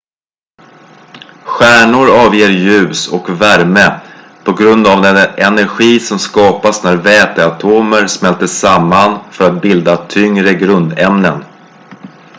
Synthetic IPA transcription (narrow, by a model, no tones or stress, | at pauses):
ɧæːɳʊɾɑːvjeːɾjʉ̟ːsɔkvæɾmə | pʰɔɡɾɵnd̪avd̪ɛnɛnæɾɧiːsɔmskɑːpasnæɾvɛːt̪əat̪ʰoːməɾsmɛlt̪əsamːanfœɾat̪̚bɪld̪at̪ʰʏŋɾəɡɾɵnd̪ɛmnən